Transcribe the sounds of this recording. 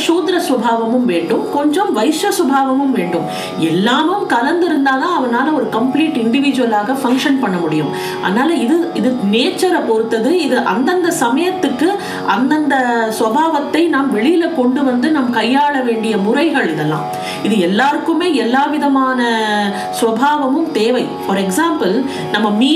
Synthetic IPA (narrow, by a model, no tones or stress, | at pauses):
ʂoːd̪ɪɾɐsʋɐbʱaːʋɐmɯmʋeːɳɖɯmkɔɲd͡ʒɔmʋɐjɪʂjɐsɐbʱaːʋɐmɯmʋeːɳɖɯm | ɛlːaːmɯmkɐlɐnd̪ɪɾɯnd̪aːnãːɐʋɐnaːlɐɔɾɯkɐmpliːʈɪɳɖɪʋɪd͡ʒɯʋɐlaːɣɐfɐŋkʂɐnpɐɳːɐmʊɽɪjɯm | ɐ̰ðɐnaːlɐɪðɯɪðɯneːt͡ʃːɐɾɐpɔɾɯt̪ːɐðɯɪðɯʔɐ̰nd̪ɐnd̪ɐsɐmɐjɐt̪ːɯkːɯ | ʔɐnd̪ɐnd̪ɐsʋɐbʱaːʋɐt̪ːɐɪnaːmʋɛɭɪjɪlɐkɔɳɖɯʋɐnd̪ɯnɐːmkɐjːaːɭɐʋeːɳɖɪjɐmʊrɐɪɣɐɭɪðɐlːã̰ː | ɪðɯɛlːaːɾɯkːɯmeːɛlːaːʋɪðɐmaːnɐ | sʋɐbʱaːʋɐmɯmt̪eːʋɐɪfɔɾɛksaːmpɯl | nɐmːɐmiː